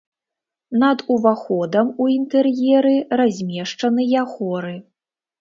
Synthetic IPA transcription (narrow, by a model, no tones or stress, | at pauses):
nɐd̪uvaxɔd̪ɐmuint̪ɛrjɛɾɨrazʲmʲɛʂt͡ʂɐnɨjaxɔɾɨ